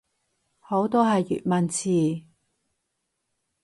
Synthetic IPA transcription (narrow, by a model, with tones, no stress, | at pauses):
ho˨˥wt̪ɔː˥ɦɐ˨jːy̰ː˨t̚mɐ˨nt͡sʰiː˨˩